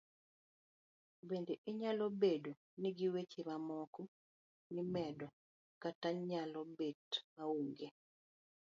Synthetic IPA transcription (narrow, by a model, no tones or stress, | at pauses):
bendeʔɪɲalobedo | niɡiwet͡ʃemamɔku | nimɛdɔ | kataɲalɔbetmauŋɡe